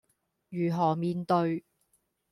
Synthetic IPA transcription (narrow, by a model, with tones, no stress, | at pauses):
jyː˨˩ɦɔː˨˩miː˧nt̪ɵ˧ɥ